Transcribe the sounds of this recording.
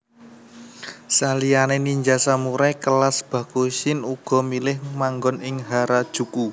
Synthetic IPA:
salijaneniɲd͡ʒasamuɾɛkəlasb̥ä̤koʃɪnuɡ̥ɔ̤milɪhmaŋɡɔnɪŋɦaɾad̥ʒ̥ṳku

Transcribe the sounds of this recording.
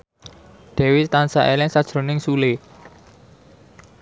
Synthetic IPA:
d̪̥ɛ̤wit̪ansaʔelɪŋsad̥ʒ̥ɾo̤nɪŋsule

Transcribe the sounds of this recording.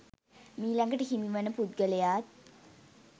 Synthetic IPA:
miːlaŋɡəʈəhimiʋənːəpud̪̚ɡələjaːt̪̚

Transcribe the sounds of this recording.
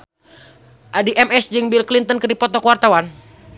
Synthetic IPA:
ʔadiʔɛmɛsd͡ʒɨŋbilklint̪ənkɨrdipɔt̪ɔkuwart̪awan

